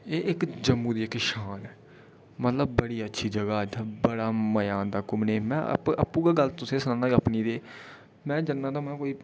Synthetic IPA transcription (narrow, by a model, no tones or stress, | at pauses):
eːʔɪkd͡ʒəmːũːd̪iːɪkʃaːnɛː | mət̪ləb̚ːəɽiːətːʃʰiːd͡ʒəɡaːəd͡ʒaːbəɽaːməjaːnd̪aːkʊmneːmɛ̃ːə̰ə̰pːũːɡaːɡəlt̪ʊsẽːsənaːnaːəpniːd̪eː | mɛ̃ːd͡ʒənːãːd̪aːmɛ̃ːkoːiː